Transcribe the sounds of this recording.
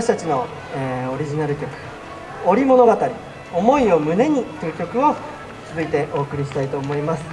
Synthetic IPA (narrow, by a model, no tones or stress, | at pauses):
ɕi̥t̪at͡ɕino̞ | eo̞ɾʲiʑinaɾɯ̟kʲo̞kɯ̟̥ | o̞ɾʲimo̞no̞ɡat̪aɾʲi | o̞mo̞io̞mɯ̟ne̞ɲ̟it̪ːeɯ̟kʲo̞kɯ̟o̞ | t͡sɨzɨit̪e̞ʔo̞ːkɯ̟ɾʲiɕi̥t̪ait̪o̞ːmo̞imasɨ̥